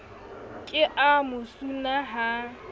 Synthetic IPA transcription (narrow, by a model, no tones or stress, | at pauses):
kʼɪʔamʊsunaɦa